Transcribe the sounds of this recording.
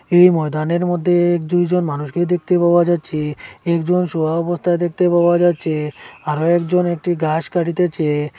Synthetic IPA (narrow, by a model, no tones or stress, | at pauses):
ejmɔjd̪aneɾmod̪ʱːeɛkd͡ʑujd͡ʑonmanuʃked̪ek̚t̪epaoad͡ʑatːt͡ɕʰeɛkd͡ʑonʃobaɔbost̪ʰaed̪ek̚t̪epaoad͡ʑatːɕʰeaɾoɛkd͡ʑonek̚ʈiɡaʃkaʈit̪et͡ɕʰe